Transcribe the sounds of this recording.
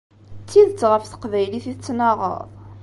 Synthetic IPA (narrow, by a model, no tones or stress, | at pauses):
t͡sːiðt͡sːʁəfθə̥qvæjliθit͡sːnɑʁə̰ðˤ